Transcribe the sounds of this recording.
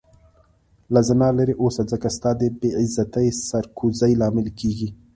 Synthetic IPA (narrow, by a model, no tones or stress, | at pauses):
lazanɑlaɾiʔosad͡zəkast̪ɑːd̪ebeɪzat̪ajsaɾkʰuzajlɑːmɪlkiɡi